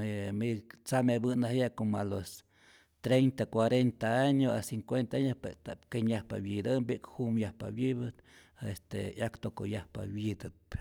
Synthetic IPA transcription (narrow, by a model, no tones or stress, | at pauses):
emit͡samebɨnahjaʔkomalos | t̪ɾejnt̪akwaɾent̪aaɲoa̰siŋkwent̪aaɲospet̪akeɲjahpa̰wid̪ambiʔkhumjahpa̰wjibɨt̪ | est̪ḛjakt̪okojahpa̰wid̪ɨt̪̚